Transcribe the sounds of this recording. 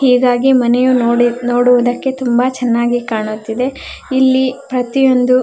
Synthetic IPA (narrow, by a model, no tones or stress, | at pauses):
hiːɡaːɡimɐnɛjunoːɽuʋud̪ɐkːe̞t̪umbɐt͡ʃɛnːaːɡikaːɳut̪ːid̪e̞ilːipɾɐt̪ijo̞nd̪u